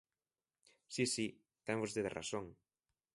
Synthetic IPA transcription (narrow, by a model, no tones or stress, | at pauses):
sisi | t̪ɛŋvozðeðera̰soŋ